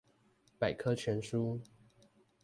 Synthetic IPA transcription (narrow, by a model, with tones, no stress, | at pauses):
pa˨˩ɪkʰɤ˥t͡ɕʰɥɛ˧˥nʂu˥